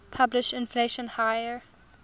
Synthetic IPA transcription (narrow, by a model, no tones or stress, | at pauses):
pʰablɪʃɪ̃nfleʃɔ̃nhajə